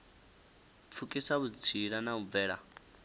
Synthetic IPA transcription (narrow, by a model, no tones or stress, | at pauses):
p̪fʰukʼisaβut͡sʰiɺanaβub̪vɛːɺa̰